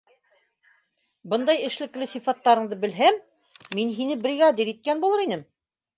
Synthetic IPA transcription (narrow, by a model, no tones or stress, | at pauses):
bɤnd̪ɑjɘ̆ʃlɘ̆klɘsifɑt̪ːɑɾɤ̆ɴd̪ɤbɘ̆lɦæmː | inɦinɘbɾiɣɑd̪iɾit̪̚kænbulˠɤɾinɘm